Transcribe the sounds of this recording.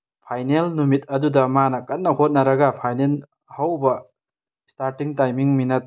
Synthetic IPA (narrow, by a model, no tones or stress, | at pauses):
pʰajnelnumit̚ɐdudɐmanɐkɐt̚nːɐhot̚nɐɾɐɡɐpʰajnel | hawbɐ | staɾtiŋtajmiŋminɐt̚